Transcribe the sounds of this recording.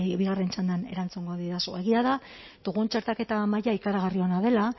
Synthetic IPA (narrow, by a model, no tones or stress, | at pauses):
βiɣare̞nt͡ʃand̪eane̞̰ɾant͡suŋɡoðiðasue̞ɣiaða | d̪̥uɣunt͡ʃeɾt̪ake̞t̪amajaikaɾaɣ̞ario̞naðe̞la